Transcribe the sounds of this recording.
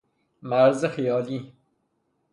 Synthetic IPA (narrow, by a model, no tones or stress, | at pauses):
maɾzexijɔːli